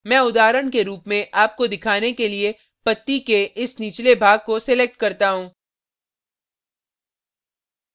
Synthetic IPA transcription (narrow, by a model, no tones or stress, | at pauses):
mɛ̃ːʊd̪aːɾəɳkeɾuːpmẽʔaːp̚kod̪ɪkʰaːnekelie | pɐt̪ːikeʔɪsniːt͡ʃlebʱaːɡ̚kosɛlek̚ʈkɐɾt̪aɦũː